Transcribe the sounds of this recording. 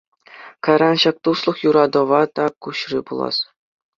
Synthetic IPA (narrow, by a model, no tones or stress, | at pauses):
kɑjɾɑnɕɑk̚t̪uslˠɤ̆χjuɾɑd̪ɤ̆ʋɑt̪ɑkuɕribulˠɑ̰s